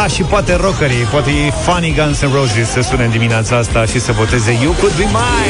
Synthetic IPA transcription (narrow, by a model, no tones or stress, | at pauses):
aʃipoat̪e̞ɾokəɾipoat̪ei | faniɡansənɾowzisəsunemd̪imineat̪saast̪aʃisəvo̞t̪e̞ze̞jewkud̪̚bima